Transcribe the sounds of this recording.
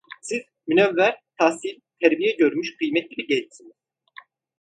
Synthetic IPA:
siz̥ | mynɛvːæɾt̪ʰahsilt̪ʰæɾbijɛɟøɾmyʃkʰɯjmɛt̪ːʲiɾiɟɛld̪i̥siniz̥

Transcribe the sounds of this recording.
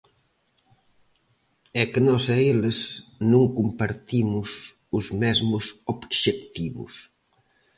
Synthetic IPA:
ɛkenɔsɛelɪsnõŋkumpaɾt̪imʊs | ʊzmɛzmʊsobʃek̚t̪iβʊ̰s

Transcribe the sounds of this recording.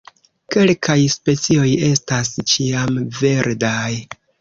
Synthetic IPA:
ke̞lkʰajspe̞t͡sio̞je̞stast͡ʃiamve̞ɾdaj

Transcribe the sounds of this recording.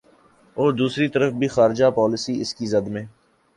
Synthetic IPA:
ɔːɾd̪uːsɾit̪ɐɾəfbʱixaːɾd͡ʒapɔːlɪsiɪskizɐd̪mẽː

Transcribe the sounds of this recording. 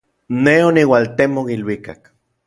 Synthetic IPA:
neoniwalt̪emokilwika̰k

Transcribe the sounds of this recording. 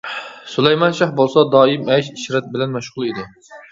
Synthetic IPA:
sulˠɛjmɑnʃɑχbolˠsɑd̪ɑːimɛʃiʃɾɛt̪̚bɪlɛnmɛʃʁʊlˠid̪ɪ

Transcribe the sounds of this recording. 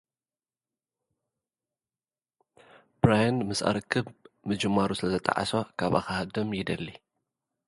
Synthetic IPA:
bɾajanmɨsʔa̰ɾɨkʰːɨbmɨd͡ʒɨmːaɾusɨlɐzɐt̪ʼa̰ʕa̰so̞kʰaβʔa̰xahad̪ɐmjɪd̪ɐlːi

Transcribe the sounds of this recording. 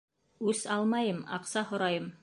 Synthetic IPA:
ʉsɑlˠmɑjɤmɑ̰qsɑhŏɾɑjɤm

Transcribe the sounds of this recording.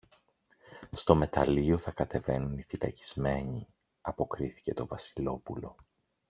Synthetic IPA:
st̪o̞me̞t̪ɐlio̞θɐkɐt̪e̞ve̞nunifilɐ̰ci̥zme̞ɲi | ɐpo̞kɾiθi̥ce̞t̪o̞vɐsilo̞pulo̞̰

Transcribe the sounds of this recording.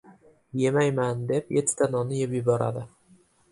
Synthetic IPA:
je̞majmand̪e̞pjet̪ʰɪ̥d̪anɒnɪjepjɪbɒɾa̰d̪ɪ

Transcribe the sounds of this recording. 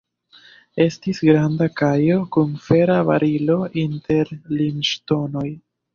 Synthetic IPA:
e̞stisɡɾandakajo̞kunfe̞ɾava̰ɾilo̞ʔinte̞ɾlinʃto̞no̞j

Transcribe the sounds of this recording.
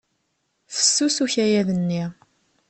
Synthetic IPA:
θə̥sːusuçæjæðənːi

